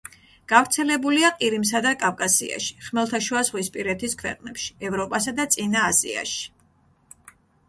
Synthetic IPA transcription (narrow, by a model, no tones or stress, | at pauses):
ɡ̥avɾt̪sʰɛlɛbuliaqʼiɾims̬ad̪akʼavkʼasḭa̰ʃi̥χmɛlˠt̪ʰaʃuazʁwispʼiɾɛt̪ʰiskʰwɛ̰qʼnɛpʃi̥ɛvɾɔpʼasad̪at̪sʼinaːsḭa̰ʃi̥